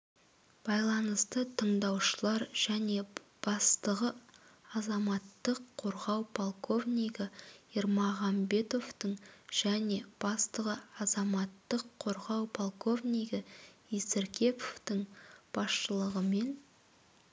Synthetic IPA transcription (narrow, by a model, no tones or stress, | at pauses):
b̥ɑjlˠɑnəst̪ət̪ʰəɴd̪ɑwʃəlˠɑɾʒ̥æne̞b̥ɑst̪əʁəɑzɑmɑt̪ːəqʰːo̞ɾʁɑwpʰolˠko̞vnʲijɡəiɾmɑʁɑmbe̞t̪o̞vt̪əɴʒ̥æne̞b̥ɑst̪əʁəɑzɑmɑt̪ːəqʰːo̞ɾʁɑwpʰolˠko̞vnʲijɡəisɪɾkʲe̞pʰovt̪əɴb̥ɑsʃəlˠəʁəme̞n